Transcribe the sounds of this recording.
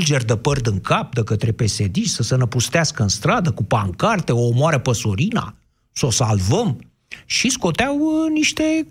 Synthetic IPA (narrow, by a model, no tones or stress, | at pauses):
ld͡ʒe̞rʲd̪əpərd̪ɨŋkʰap̚d̪əkət̪ɾe̞pe̞se̞d̪iʃsəsənəpust̪easkəɨnst̪ɾad̪əkupaŋkart̪eo̞ːmoaɾəpəsoɾina̰ | səosalvəm | ʃisko̞t̪eawniʃt̪e̞